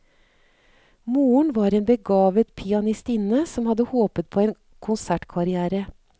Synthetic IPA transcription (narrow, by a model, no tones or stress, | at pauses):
muːəɳʋɑːɾeːnbəɡɑːʋət̪pʰɪɑnɪst̪ɪnəsɔmhɑd̪əhoːpət̪̚pʰoːeːn | kʰʊnsæʈkʰɑɾɪæːɾə